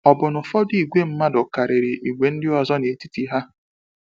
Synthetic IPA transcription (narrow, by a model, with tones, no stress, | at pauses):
ɔ˨bʊ˨nʊ˨fɔ˦di˨ɡʷe˦m̩˦ma˦dʊ˨ka˨ɾɪ˨ɾɪ˨ʔi˨ɡʷe˨n̩˦dɪ˦ɔ˨zɔ˦ne˨ti˦ti˨ɦa˦